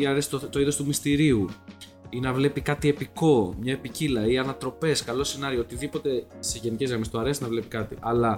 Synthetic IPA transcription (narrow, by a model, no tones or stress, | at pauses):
iɐɾesi̥t̪ot̪o̞iðo̞st̪umist̪iɾiu | inɐvle̞pikɐt̪ie̞piko̞mɲɐe̞picilɐiɐnɐt̪ɾo̞pe̞skɐlo̞senɐɾioot̪iðipo̞t̪e̞seʝe̞nicezɣɾɐmest̪oɐɾesinɐvle̞pikɐt̪ḭʔɐlɐ